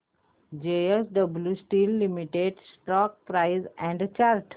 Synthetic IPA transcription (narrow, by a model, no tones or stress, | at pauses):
d͡ʒeesɖəbljusʈiːlːimiʈeɖsʈɔːk̚pɾaɪzɛ̃ɳɖt͡ʃaːɾʈ